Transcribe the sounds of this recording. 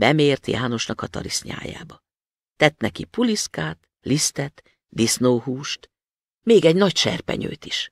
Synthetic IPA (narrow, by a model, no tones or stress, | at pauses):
bɛmeːrt̪jaːno̞ʃnɒkɒt̪ɒ̰ɾisɲa̰ːja̰ːbɒ | t̪ɛt̪nɛkipuliskaːt̪ | list̪ɛt̪ | d̪isnoːhuːʃt̪ | meːɡɛɟnɒcʃɛ̰rpɛ̰ɲø̰ːt̪i̥ʃ